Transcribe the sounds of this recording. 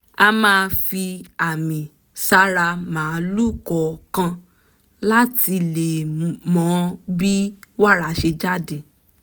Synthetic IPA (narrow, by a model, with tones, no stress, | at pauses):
a˧mãː˦˧fi˧a˨mĩ˨ | sa˦ɾa˧mãː˨˦lu˦˨kɔ˨kã˧ | la˦ti˧le˨mɔ̃˨˦bi˦wa˦ɾa˨ʃe˧d͡ʒa˦˨de˨